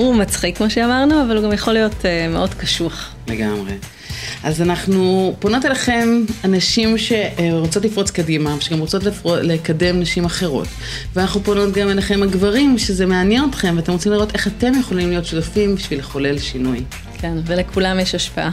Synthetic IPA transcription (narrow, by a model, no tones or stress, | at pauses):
umat͡sχikmoʃeamaʁnuavaluɡamjaχo̞lijo̞tmeʔo̞dkaʃuaχ | le̞ɡa̰mʁe̞ | ʔazanaχnupono̞telaχe̞manaʃimʃe̞ʁot͡so̞t̬lifʁo̞t͡skadimaveʃeɡamʁot͡so̞tlfolekade̞mnaʃimaχe̞ʁo̞̰t | veanaχnupono̞tɡamelaχe̞mhaɡvaʁimʃezemeanjenotχe̞mveatemʁot͡simliʁo̞te̞χate̞mjeχo̞limlijo̞tʃutafimbiʃvileχo̞le̞lʃinuj | kʰenvelekʰulamjeʃaʃpaʔa